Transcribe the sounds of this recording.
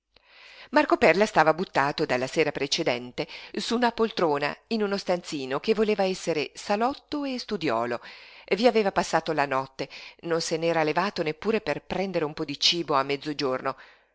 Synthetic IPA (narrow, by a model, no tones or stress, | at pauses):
markopɛrlast̪aːvabut̪ːaːt̪od̪alːaseːɾapɾet͡ʃed̪ɛnt̪esunapolt̪ɾoːna̰inunost̪ant̪siːnokevːoleːvaɛsːeɾesalɔt̪ːoest̪ud̪jɔ̰ːloevːiaveːvapasːaːt̪olanɔt̪ːenonsenɛːɾalevaːt̪onepːuːɾeperpɾɛnd̪eɾeumpɔd̪it͡ʃiːboamːɛd̪zːod͡ʒorno